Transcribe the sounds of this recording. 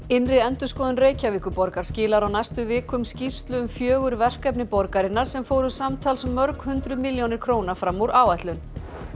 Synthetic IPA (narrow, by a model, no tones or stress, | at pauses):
ɪnrɪɛnt̪ʏ̥skɔːðʏnreːjcaviːkʏpɔɾkaɾ̥scɪːlaɾawnajst̪ʏvɪːkʏmscist̪lʏʏmfjœːɣʏɾvɛr̥kapnɪpɔɾkaɾɪnːaɾ̥sɛmfoːwɾʏsamt̪ʰaːlsmːœɾkhʏnt̪ɾʏmɪljownɪɾ̥kʰɾoːwnafɾamːuɾaːwɛht̪lʏn